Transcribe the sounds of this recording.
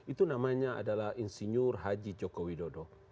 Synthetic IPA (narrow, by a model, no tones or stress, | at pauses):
it̪unamaɲaa̰dalahinsiɲurɦad͡ʒid͡ʒɔkowidɔdɔ